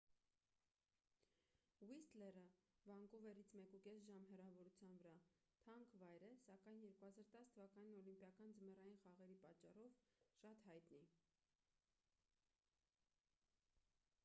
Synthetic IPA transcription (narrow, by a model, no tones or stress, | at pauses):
wist̪lɛrəvɑŋɡɔvɛɾit͡sʰmɛkukɛsʒɑmɦɛrɑvɔɾut͡sʰjɑnvəɾɑ | t̪ʰɑŋkʰvɑjɾɛsɑkɑjnjɛɾkuhɑzɑɾt̪ɑst̪ʰəvɑkɑninɔlimpjɑkɑnd͡zəmɛrɑjinχɑʁɛɾipɑt͡ʃːɑrɔvʃɑt̪hɑjt̪ni